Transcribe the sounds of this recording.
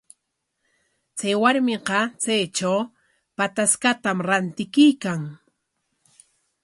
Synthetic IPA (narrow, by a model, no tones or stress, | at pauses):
t͡sajwaɾmɪqɑt͡sajt͡ʃaw | pat̪askat̪amɾant̪ɪkɪjkaŋ